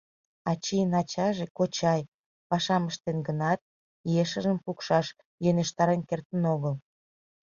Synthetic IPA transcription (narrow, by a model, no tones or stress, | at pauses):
ɑt͡ɕijənɑt͡ɕɑʒekot͡ɕɑj | pɑʃɑməʃt̪enɡənɑt̪̚ | jeʃə̆ʒəmpukʃɑʃ | jøneʃt̪ɑɾenkert̪ənoɣəl